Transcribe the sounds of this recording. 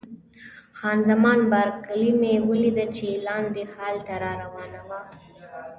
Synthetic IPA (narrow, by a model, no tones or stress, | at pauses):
xɑnzamɑnbɑɾkalimewəlid̪at͡ʃelɑnd̪ehɑlt̪aɾɑɾawɑnawa